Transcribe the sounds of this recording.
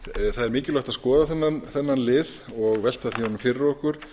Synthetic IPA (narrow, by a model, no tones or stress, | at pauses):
θaðɛɾmɪːcɪlawt̪aðskɔːðaθɛnːanθɛnːanlɪːðɔɣvɛl̥t̪aθiɔnʏmfɪɾɪɾɔhkʏɾ̥